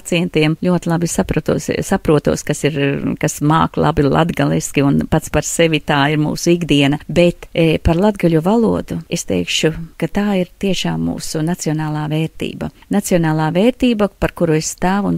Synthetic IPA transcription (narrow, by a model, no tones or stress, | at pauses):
t̪siɛnt̪iɛmlʲuɔt̪ɪlˠabisapɾut̪uɔssapɾuɔt̪uɔskasiɾkasma̰ːklˠa̰bilˠa̰d̪ɡalˠiskiunpat̪spaɾseʋit̪aːiɾmṵːsuiɡd̪iɛnɐbet̪paɾlˠad̪ɡaʎʲuvalˠuɔd̪uest̪ḛjkʃukat̪aːiɾt̪iɛʃaːmːṵːsunat̪sionaːlˠaːveːɾt̪ḭːbɐ̰nat̪siɔnaːlˠaːveːɾt̪iːbɐpaɾkuɾuesst̪aːʋun